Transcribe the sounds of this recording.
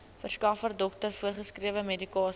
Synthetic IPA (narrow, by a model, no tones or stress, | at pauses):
fərskɑːfərdɔk̚tərfuərχəskriəvəmedikɑːs